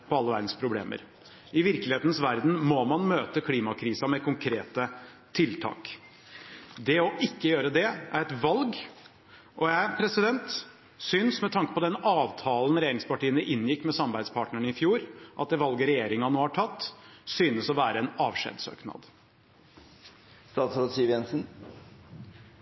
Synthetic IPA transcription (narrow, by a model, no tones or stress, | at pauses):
pʰɔɑlːəʋæ̰ɾd̪n̩spʰɾʊblḛːmə̰ɾ | ʔɪʋɪɾkəlɪheːt̪nəsʋæɾd̪n̩mɔmɑnmøːt̪əkʰliːmɑkʰɾiːsɑmɛkʰʊŋkʰɾeːt̪ə | t̪ʰɪlt̪ʰɑ̰ːk | d̪ɛɔʔɪkːəjøːɾəd̪ɛæɾɛt̪ʋɑlɡ | ʔɔjæɪpʰɾɛsɪd̪ɛnt̪ | sʏnsmɛt̪ʰɑŋkə̥pɔd̪ɛnɑːʋt̪ʰɑːln̩ɾɛjeːɾɪŋspɑʈiːənəʔɪnːjɪkːmɛsɑmbæɪd̪spʰɑːʈnəɳɪfjuːɾʔɑ̰t̪̚d̪ɛʋɑlɡəɾɛjeːɾɪŋɑnoːhɑʈʰɑt̪ːsyːnəsɔʋæːɾəɛnɑːʋʂḛːd̪sø̰ːknɑ̰d̪ | st̪ɑːt̪sɾɑd̪siːʋjɛnsn